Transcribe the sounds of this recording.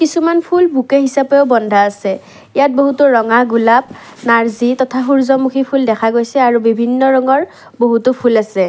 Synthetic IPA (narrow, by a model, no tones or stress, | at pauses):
kisumanpʰulbʱukeɦisapɛʊbɔndʱaasɛ | ijat̚boɦutʊɹɔŋaɡulap̚ | naɹzitɔtʰaɦuɹzɔmukʰipʰuldɛkʰaɡojsɛaɹubibʱinːɔɹɔŋɔɹ | boɦutupʰulasɛ